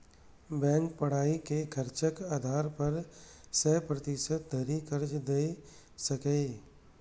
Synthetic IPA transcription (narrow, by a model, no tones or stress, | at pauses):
bɛ̃ːŋk̚pɐɽ̤aːikekʰɐɾt͡ʃəkaːd̪ʱaːɾpɐɾ | səɦpɾɐt̪ɪʃət̪̚d̪ʱɐɾikɐɾd͡ʒd̪e | sɐkeː